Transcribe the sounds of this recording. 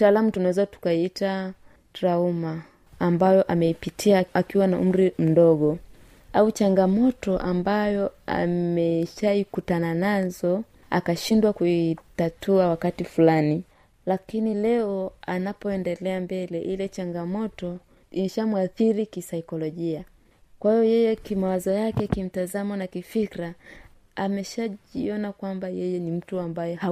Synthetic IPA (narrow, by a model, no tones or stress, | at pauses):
taːlamutunawɛzatu̥kaita | tɾaumaː | mbajɔʔamɛipitʰiaakiwanaʔum̩ɾim̩dɔɠɔ | aut͡ʃaŋɡamɔtɔʔambajɔa̰mɛʃaikutananazɔ | a̰kaʃindwakuitatʰuawakatifulani | lakinilɛɔanapɔɛndɛlɛambɛlɛʔilɛt͡ʃaŋɡamɔtɔ | imɛʃamwaθiɾikisaikɔlɔʄia | kwahijɔjɛjɛkimawazɔjakɛkim̩tazamanakifikɾa | amɛʃaʄiɔnakwambajɛjɛnim̩tuambajɔa